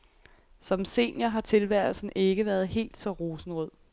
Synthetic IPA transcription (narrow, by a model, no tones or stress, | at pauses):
sɒ̽mse̝̰ːnjɐɦɑ̈t͡sʰe̝lʋæɐ̰l̩sn̩e̝ɡ̥əʋæɐð̞ˠɦe̝̰ːld̥sɒ̽ʁo̝ːsn̩ʁɔð̰ˠ